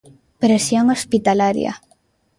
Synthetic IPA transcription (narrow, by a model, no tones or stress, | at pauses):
pɾesjoŋospit̪alaɾj̰a̰